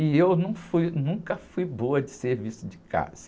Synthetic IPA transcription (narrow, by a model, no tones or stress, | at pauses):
iewnũfujnũkɐfujboɐd͡ʒɪseɾvisʊd͡ʒɪka̰zɐ